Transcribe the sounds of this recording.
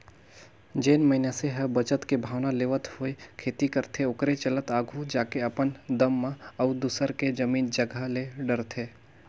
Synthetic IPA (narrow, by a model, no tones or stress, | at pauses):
d͡ʒeːnməɦɪnaseɦəbət͡ʃət̪kebʱaːʋnaleːʋət̪ɦʊekʰeːt̪ikəɾt̪ʰeʊkɾet͡ʃələt̪aːɡʱud͡ʒaːkeəpənd̪əmːãɐd̪uːsəɾked͡ʒəmiːnd͡ʒəɡʱaleɖəɾt̪ʰeː